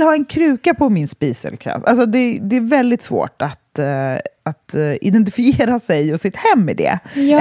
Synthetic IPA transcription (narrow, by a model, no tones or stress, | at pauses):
lhaɛnkʰɾʉ̟ːkapʰɔmɪnspiːsɛ̰lkʰɾɛ̰ːsalsɔd̪ɛd̪ɛːɾvɛld̪ɪt̪svo̰ːʈat̪ | at̪ɪd̪ɛnt̪̬ɪfɪeːɾasɛjɔsɪt̪hɛmːɪ̰d̪ɛ̰